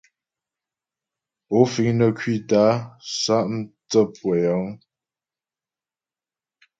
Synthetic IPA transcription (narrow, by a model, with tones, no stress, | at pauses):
o˨˦fi˨˦ŋnə˨kʰɥi˦˨ta˨˦sa˦ʔm˦t͡sə˦˨pʰwə˨ja˨˦ŋ